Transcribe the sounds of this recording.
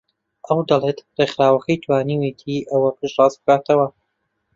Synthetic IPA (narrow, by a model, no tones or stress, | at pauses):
ʔɐwd̪ɐlˠet̪rexɾaːwɐkʰɐjt̪ʰwaːniwet̪ʰiʔɐwɐpʰɨʃrɑːsbɨkaːt̪ʰɐwɐ